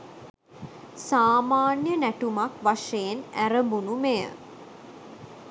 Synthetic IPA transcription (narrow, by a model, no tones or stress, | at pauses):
saːmaːnjənæʈumakʋaʂejenæɾəmbunumejə̰